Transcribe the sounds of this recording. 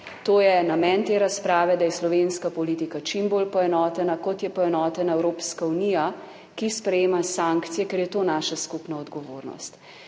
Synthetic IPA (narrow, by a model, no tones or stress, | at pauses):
t̪oːjɛnamɛnt̪eːɾaspɾaːʋɛd̪ajɛslɔʋenskapɔliːt̪ikat͡ʃimboːlpɔɛnɔːt̪ɛnakɔt̪jɛpɔɛnɔːt̪ɛnaɛwɾoːpskaunija | kispɾɛjeːmasaŋkt̪sijɛkɛɾjɛt̪oːnaːʃaskupnaɔd̪ɡɔʋoːɾnɔ̰st̪